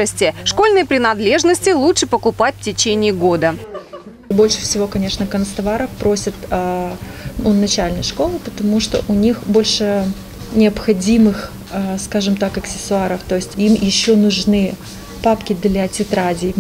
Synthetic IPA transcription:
əsʲtʲɪʂko̞lʲnɨjəpɾʲɪnɐd̪lʲe̞ʐnəsʲtʲɪlˠutʂɨpəkʊpatʲftʲɪt͡ɕenʲɪːɡo̞d̪ə | bo̞lʲʂɨ̥fsʲɪvo̞kɐnʲeʂnəkənst̪ɐvaɾəfpɾo̞sʲɪt̪ə | ʊnːɐt͡ɕælʲnəjʂko̞lˠɨpət̪ɐmuʂt̪o̰ʔʊnʲixbo̞lʲʂɨ | nʲɪəpxɐdʲimɨx | skaʐɨmt̪akɐksʲɪ̥sʊaɾəft̪o̞jɪsʲtʲimjɪɕːonʊʐnɨ | papkʲɪd̪lʲɐtʲɪt̪ɾadʲɪ

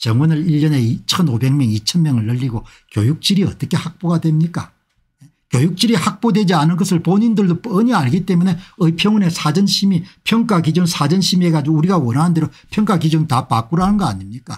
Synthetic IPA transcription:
t͡ɕʌŋwʌnɯɾiʎːʌne̞it͡ɕʰʌnobe̞ŋmjʌŋit͡ɕʰʌnmjʌŋɯɭːʌʎːiɡo | kjojuk̚t͡ɕ͈iɾiʌt͈ʌkʰe̞hak̚p͈oɡadwe̞mɲik͈a̰ | kjojuk̚t͡ɕ͈iɾihak̚p͈odwe̞d͡ʑianɯnɡʌsʰɯɭpoɲindɯɭdopʌɲiaɭɡit͈e̞mune̞ɯipʰjʌŋune̞sʰad͡ʑʌnɕʰimipʰjʌŋk͈akid͡ʑuŋsʰad͡ʑʌnɕʰimeɡad͡ʑiouɾiɡawʌnɦaandeɾo | pʰjʌŋk͈akid͡ʑuŋtapak͈̚uɾɦanɯnɡʌaɲimɲik͈a̰

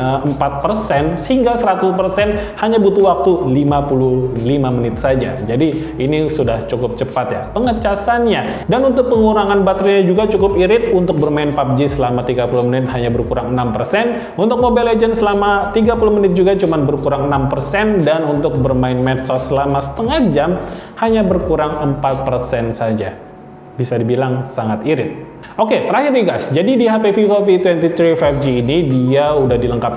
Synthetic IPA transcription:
əəmpat̪̚pərsɛnsəhiŋɡasəɾat̪ʊspərsɛnhaɲabut̪uwak̚t̪ulimapululimamənɪt̪̚sad͡ʒa̰d͡ʒadi | inisudaht͡ʃukʊp̚t͡ʃəpat̪ja̰pəŋət͡ʃasanɲa | danunt̪ʊk̚pəŋuɾaŋanbat̪ɾiɲad͡ʒuɡat͡ʃukʊpiɾɪt̪̚unt̪ʊk̚bərmaɪnpap̚d͡ʒisəlamat̪iɡapuluhmənɪt̪̚haɲabərkuɾaŋənampərsɛn | unt̪ʊk̚mobɛled͡ʒənsəlamat̪iɡapulʊhmənɪt̪̚d͡ʒuɡat͡ʃumanbərkuɾaŋənampərsɛndanunt̪ʊk̚bərmaɪnmɛt̪sɔsəlamasə̥t̪əŋahd͡ʒamhaɲabərkuɾaŋəmpat̪̚pərsɛnsad͡ʒa | bisadibilaŋsaŋat̪iɾɪt̪̚ | oket̪əɾaɦɪriɡasd͡ʒadidiɦapefikofit̪wɛnt̪it̪ɾifafd͡ʒiːnidiaudahdiləŋkap̚

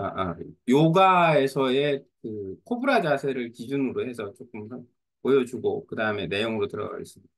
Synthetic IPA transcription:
aʔa̰joɡae̞sʰʌe̞kɯkʰobuɾad͡ʑasʰe̞ɾɯɭkid͡ʑunɯɾoɦe̞sʰʌt͡ɕok͈ɯmsʰʌn | pojʌd͡ʑuɡo̰kɯdaɯmene̞joŋɯɾotɯɾʌ̰ɡʌ̰ḭs͈ɯmida

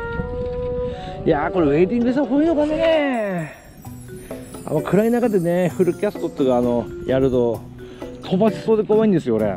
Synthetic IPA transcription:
jaːko̞ɾe̞βe̞it̪ĩŋɡɯes̬akoiːnokanene | a̰mːakʰɯ̟ɾainakad̪e̞ne̞ɸɯ̟ɾɯ̟kʲasɨ̥t̪ot̪ːoɡaːno̞jaɾɯ̟t̪o̞ | t̪ʰo̞baɕi̥so̞ːd̪ekoβaĩnd̪e̞sɨjo̞ːɾe̞̰

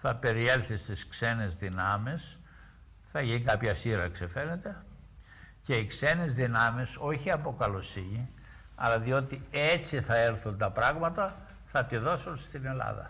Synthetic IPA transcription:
θɐpe̞ɾielθist̪iskse̞nezðinɐmis | θɐʝiŋkɐpçɐsiɾɐksife̞ne̞t̪e̞ | ce̞ikse̞nezðinɐmiso̞çiɐpo̞kɐlo̞siɲi | ɐ̰lɐðio̞t̪ie̞t͡siθɐe̞ɾθunt̪ɐpɾɐɣmɐt̪ɐ | θɐt̪iðo̞sunst̪ine̞lɐ̰ðɐ̰

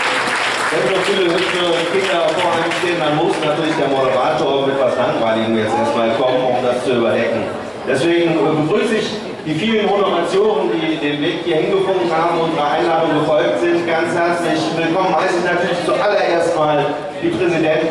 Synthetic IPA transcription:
vɛnnonfiːləhʏtfə | kʰɪndɐfoːɐʔaɪənʃteːəndanmʊsnatʰyːɐlɪçd̥eːɐmoɾəʁaːtoːɐmɛtv̥aslaŋvaɪlɪɡŋ̩jɛstʔḛːɐstmaːlkʰɔmənʊmd̥ast͡suyːbɐdɛkŋ̩ | d̥ɛsv̥eːɡŋ̩bəɡʁyːsɪɪç | d̥iːfiːlənhonoɐmat͡sjoːnəndiːdeːnveːkhiːɐhɪnɡəfɔmənɦaːbm̩ʊnzʁəʔaɪnaːmənɡəfɔlk̚tz̥ɪntɡ̥ant͡shɛɐt͡slɪçvɪlkʰɔmənhaɪsɪçnatʰyːɐlɪçt͡suʔalɐʔeːɐstmaːl | d̥iːpʁ̥ɛzidɛnt

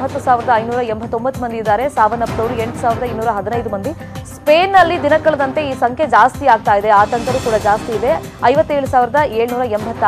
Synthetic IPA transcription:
ɦɐt̪ːusaːʋiɾɐd̪ɐɐjnuːɾɐembʱɐt̪ːo̞mbɐt̪ːumɐnd̪iid̪ːaːɾe̞saːʋɐɾnɐpːɾɐʋɾue̞ɳʈu̥saːʋiɾɐd̪ɐinːuːɾɐɦɐd̪inɐjd̪umɐnd̪i | speːnːɐlːid̪inɐkɐɭɐd̪ɐnt̪e̞iːsɐŋkʰe̞d͡ʒaːst̪iaːɡ̚t̪aːjid̪e̞aːt̪ɐŋkɐɾuːkuːɽɐd͡ʒaːst̪iːd̪e̞ | ɐjʋɐt̪ːeːɭusaːʋiɾɐd̪ɐeːɭnuːɾɐembʱɐt̪ː

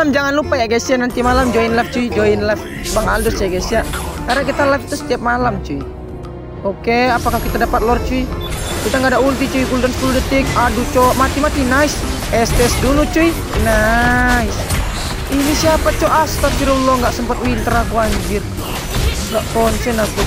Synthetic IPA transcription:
amd͡ʒaŋanlupajaɡɛsianant̪imalamd͡ʒɔinlaft͡ʃuid͡ʒɔinlɛf | baŋaldɔsiaɡasiakaɾakit̪alɛft̪usə̥t̪iap̚malamt͡ʃui | ɔkeapakakit̪adapat̪̚lɔrt͡ʃuikit̪aŋɡadaʔunt̪it͡ʃuikuludanskuludət̪ik̚adut͡ʃɔmat̪imat̪inais | ɛst̪ɛɛsdulut͡ʃui | nais | inisiapat͡ʃɔʔast̪atiɾulɔŋɡaʔsəmpat̪wint̪ɾakuaɲd͡ʒir | ŋɡaʔkɔnt͡ʃɔnaku

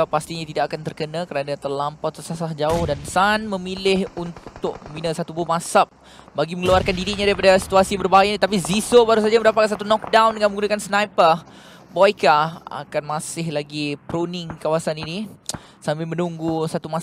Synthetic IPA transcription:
past̪iɲat̪idakakant̪ərkənãkəɾanat̪ərlampawt̪əsasahd͡ʒaʊhdansanmə̃milɪhunt̪ʊk̚əminasat̪ubʊhmasap̚ | baɡiməŋəluarkandiɾiɲãdaɾipadasi̥t̪uasibərbaɦajanit̪ap̬izisobaɾus̬ad͡ʒaməndapat̪̚kans̬at̪unɔk̚dawndəŋanməŋɡunakansnajpə | bɔjkaa̰kanmasɪhlaɡipɾonɪŋkawasanini | sambɪlmənuŋɡusat̪uma

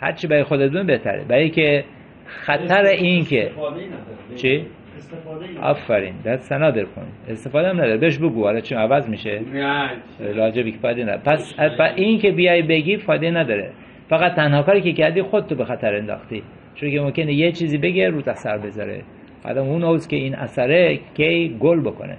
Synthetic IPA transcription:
hæ̰ɾt͡ʃʰibæɾɒjxod̪et̪̚bebeht̪ʰæ̰ɾḛbæɾijkʰe | xæt̪ʰæɾeʔinkʰe | t͡ʃʰi | æ̰fːæɾḭːnd̪æɾsænɒːd̪eɾkʰo̰niest̪efɒːd̪eæmnæd̪ɒːɾebeʃ̬boɡuɒlɒt͡ʃʰinævæzmiʃe | ɾɒːd͡ʒebikʰefɒjd̪enæ̰pæspæʔiːnkebijɒːjbeɡifɒːjd̪enæd̪ɒːɾḛ | fæɣæt̪̚t̪ʰːænhɒːkɒːɾiːkʲekæɾd̪ixod̪̚t̪obexæt̪ʰæɾend̪ɒ̰xt̪i | t͡ʃʰonkʲemomkʲenejet͡ʃʰiːziːbe̞ɡeɾuːt̪æsæɾbezɒ̰ɾḛ | ɒ̰d̪æmunoskʲeiːnʔæ̰sæɾekʰejɡolboko̰nḛ

